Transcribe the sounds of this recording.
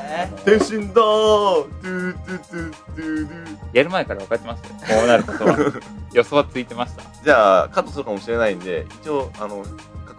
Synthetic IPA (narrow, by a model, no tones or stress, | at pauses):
t̪ẽɕĩnd̪ot̪ɯt̪ɯt̪ɯt̪ɯɾɯjaɾɯ̟maekaɾaβakat̪emaskoːnaɾɯ̟kot̪oajo̞so̞βat͡sɨit̪e̞maɕi̥t̪ḁd͡ʑaːkat̪osɨɾɯkamo̞ɕiɾe̞naĩnd̪e̞it͡ɕioano | ka